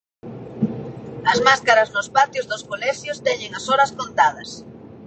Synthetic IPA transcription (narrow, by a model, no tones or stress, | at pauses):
ɐzmaskaɾɐznʊspat̪jʊzðʊskolɛʃjost̪eɲeŋɐsoɾɐskont̪að̞ɐs